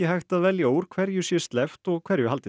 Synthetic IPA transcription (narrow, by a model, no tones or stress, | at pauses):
ɪhaxt̪aðvɛljaowɾ̥kʰvɛɾjʏsi̥ːst̪lɛft̪ɔɣkʰv̥ɛɾjʏhalt̪ɪ